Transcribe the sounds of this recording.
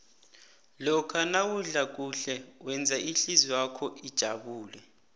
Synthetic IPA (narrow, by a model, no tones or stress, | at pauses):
lɔkʰanawuɮak̬uɬɛwɛnd͡zʱaʔiɬiziwakʰɔid̥ʒ̥ʱaɓuːlɛ